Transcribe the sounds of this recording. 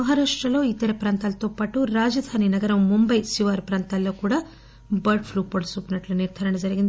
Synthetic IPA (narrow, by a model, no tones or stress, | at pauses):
mɐɦaːɾaːʂʈɾɐlo̞ːit̪ːɐɾɐpɾaːnt̪aːlɐt̪o̞ːpaːʈuɾaːd͡ʒɐd̪ʱaːninɐɡɐɾɐmːumbɐjsiʋaːɾpɾaːnt̪alːo̞ːkuːɽaː | bɐɾɖpʰɾuːpoɖsuːpinɐʈluniɾd̪ʱɐɾɐɳɐd͡ʒɐɾiɡind̪i